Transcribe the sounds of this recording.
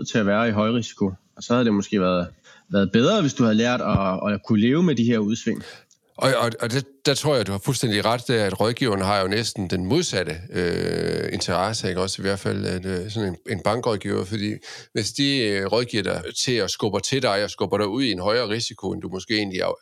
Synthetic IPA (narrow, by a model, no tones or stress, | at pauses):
t͡sʰe̝æʋæːɐiɦɒ̽ɪʁisi̥kʰo̝ | ɒ̽sɒ̽hæðˠd̥emosɡ̥e̝̰ːʋæɐðˠ | ʋæɐðˠb̥eð̞ˠʁɐʋe̝sd̥uhæð̞ˠlæɐ̰d̥ɒkʰule̝ːʊəmed̥iɦeɐuð̞ˠsʋeŋ̰ | ɒ̽ɒ̽ɒd̥ed̥æt͡sʰʁo̰ɐ̰jɑ̈ɪd̥uhɑ̈fulsd̥en̰d̥iʁɑd̥ːææd̥ʁɒð̞ˠɡ̥ḭʊ̰ɐnəɦɑ̈jo̝nesd̥n̩d̥enmo̝ð̞ˠsæɾ̥əøe̝nt͡sʰɐʁɑ̈səeɡ̥ɒ̽siʋæɐ̰d̥fæl̰æ̥sɒ̽nee̝nb̥ɑ̈ŋɡ̥ʁɒð̞ˠɡ̥ḭːʊɐfɒd̥ḭːʋe̝sd̥iʁɒðˠɡ̥iːɐ̰dɐt͡sʰe̝ɒ̽sɡ̥ɔb̥ɐt͡sʰe̝ld̥ɑ̈ɪɒ̽sɡ̥ɔb̥ɐɾ̥ɑ̈ɪuð̞̰ˠienɦɒ̽ɪɐːʁisikʰo̝end̥umɒ̽sɡ̥e̝̰ːe̝ːnliɑ